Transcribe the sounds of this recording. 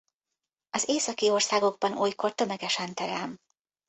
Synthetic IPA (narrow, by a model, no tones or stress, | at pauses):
ɒzeːsɒkio̞rsaːɡo̞ɡ̚bɒnuːjko̞rt̪ø̞mɛɡɛʃɛnt̪ɛɾɛlm